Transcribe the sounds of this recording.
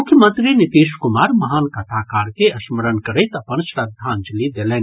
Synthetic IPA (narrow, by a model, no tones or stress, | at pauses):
ʊkʰjəmə̃nt̪ɾinɪt̪iːʃkʊmaːɾmɐɦaːnkɐt̪ʰaːkaːɾkeɐʃməɾənkɐɾet̪ɐpənʃɾɐd̪ʱːaːnd͡ʒɐlid̪eleːn